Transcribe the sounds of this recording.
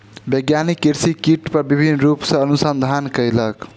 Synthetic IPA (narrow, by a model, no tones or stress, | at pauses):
bəɡjanikːiɾsikiʈpəɾbibʱinːɾupsə̃ənusənd̪ʱankəjlək